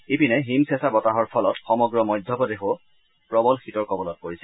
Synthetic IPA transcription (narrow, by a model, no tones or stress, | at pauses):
ipinɛɦimsɛsabɔtaɦɔɹpʰɔlɔtxɔmɔɡɹɔmɔjdʱjɔbɔdexo | pɹɔbɔlxitɔɹkɔbɔlɔt̚koɹisɛ